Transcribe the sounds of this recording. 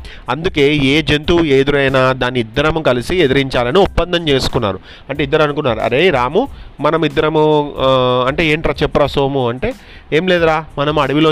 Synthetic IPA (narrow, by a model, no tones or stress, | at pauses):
ɐnd̪uke̞ːeːd͡ʒent̪ueːd̪uɾɐjnaːd̪aːnːiːd̪ːɐɾɐmukɐlisied̪ɐɾiɲt͡ʃaːlɐniupːɐnd̪ʱɐnt͡ʃe̞ːsu̥kunːa̰ːɾu | ɐɳʈeːid̪ːɐɾɐnukunːaːɾṵɐ̰ɾeːɾaːmumɐnɐmid̪ːɐɾɐmu | ɐɳʈe̞ːeːɳʈɾaːt͡ʃɛpːɐɾaːsoːmuɐɳʈe̞ː | eːmleːd̪uɾaːmɐnɐmɐɽiʋiloː